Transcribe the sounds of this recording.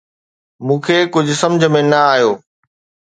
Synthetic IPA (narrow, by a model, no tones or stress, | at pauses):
mũːkʰeːkʊd͡ʑʱʊsɐmd͡ʑʱəmẽnɐaːjoː